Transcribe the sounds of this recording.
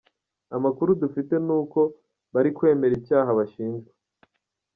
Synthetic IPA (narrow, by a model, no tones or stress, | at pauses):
amakuɾudufite̞nuːko̞ | βaɾikwe̞ːme̞ɾibjaːɦaβaʃiːnzɡe